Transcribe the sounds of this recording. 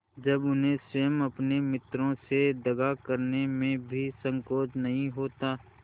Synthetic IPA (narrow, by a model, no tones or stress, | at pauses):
d͡ʒɐbʊnɦẽsəjəmɐpnemɪt̪ɾõsed̪ɐɡakəɾnemẽbʱisə̃ŋkoːd͡ʒnɐɦĩɦoːt̪aː